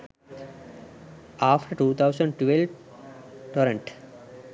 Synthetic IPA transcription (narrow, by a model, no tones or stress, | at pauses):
aːfʈəɾʈuːt̪ʰaʊsə̃ɳɖʈʋelʋ | ʈɔːɾə̃ɳʈ